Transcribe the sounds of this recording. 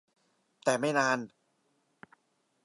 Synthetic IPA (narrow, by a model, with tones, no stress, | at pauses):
t̪ɛː˨˩ma˥˩jnaː˧˥n